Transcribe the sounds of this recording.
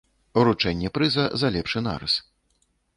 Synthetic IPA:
uɾut͡ʂɛnʲːɛpɾɨzɐzɐlʲɛpʂɨna̰ɾɐ̰s

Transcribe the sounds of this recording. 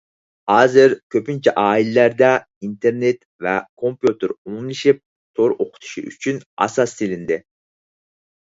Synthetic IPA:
hɑːzɪɾkʲʰøpint͡ʃʰɛʔɑːilɪlæɾd̪ɛ | int̪ʰeɾnet̪ | vɛkʰompjut̪ɪɾuŋlˠɪʃip̚ | t̪ʰoɾoqʰʊ̥t̪ʰu̥ʃḭʔy̰t͡ʃʰynɑ̰sɑsːelɪnd̪ɪ

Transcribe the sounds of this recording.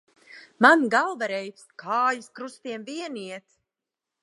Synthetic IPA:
manɡalˠvaɾɛjpskʰaːjiskɾust̪iɛmviɛniɛt̪

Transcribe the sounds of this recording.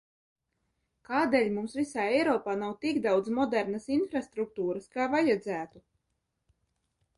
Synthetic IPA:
kaːd̪eːlʲmumsvisaːɛjɾɔːpaːnawt̪iɡd̪awd̪zmɔd̪ɛɾnasinfɾast̪ɾuk̚t̪uːɾəskaːvajad̪zæːt̪u

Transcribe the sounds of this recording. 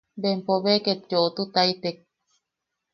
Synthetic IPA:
bempoβeket̪d͡ʒoʔt̪ut̪ait̪ek̚

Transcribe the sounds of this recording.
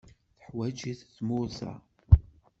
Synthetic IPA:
θə̥ħwæd͡ʒiθːmʊɾsa̰

